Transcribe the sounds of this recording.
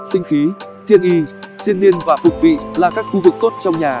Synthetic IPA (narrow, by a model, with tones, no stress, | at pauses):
sï˧ŋ̟xi˨˦t̪ʰḭ˧˨ənʔi˧si˧ənːi˧ənvaː˨˩fʊ˨˩k͡p̚vḭ˧˨laː˨˩kaː˦˥k̚xu˧vɨ˨˩k̚t̪o˦˥t̚t͡ɕɔ˧wŋ͡mɲaː˨˩